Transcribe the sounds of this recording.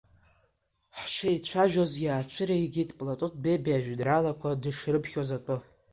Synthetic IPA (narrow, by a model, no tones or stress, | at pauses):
ħʃeit͡ɕʷʰaʒᶣozjaːt͡ʃʷʰɨɾejɡʲidpʼlatʼut̚ʰʼbebaʒᶣdralakʷʰadɨʂrɨpʰχʲozatʷʼʊ